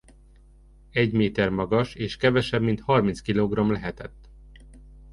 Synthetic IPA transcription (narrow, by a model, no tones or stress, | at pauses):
ɛɟmeːt̪ɛrmɒɡɒʃeːʃkɛvɛʃɛbmint̪hɒrmint̪skiloːɡrɒmlɛɦɛt̪ɛt̪ː